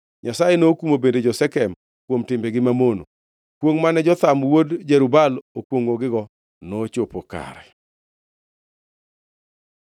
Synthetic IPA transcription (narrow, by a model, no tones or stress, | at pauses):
ɲasajenokumobended͡ʒɔsɛkɛm | kwomtɪmbeɡɪmamono̰ | kwoŋmanɛd͡ʒɔt̪amwodd͡ʒɛɾubalokwoŋoɡɪɡɔ | not͡ʃopoka̰ɾɛ̰